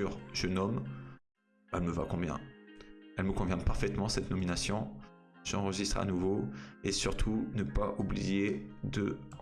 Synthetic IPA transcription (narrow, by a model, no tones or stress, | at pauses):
yʁʒ̥ənɔm | ɛ̰lməva̰kɔ̃bjɛ̰̃ | ɛlməkɔ̃vjɛ̃paʁfɛt̪mɑ̃sɛt̪nɔminasjɔ̃ʒ̥ɑ̃ʁəʒist̪χa̰nuvoesyʁt̪ʰunəpaʔublijed̪ə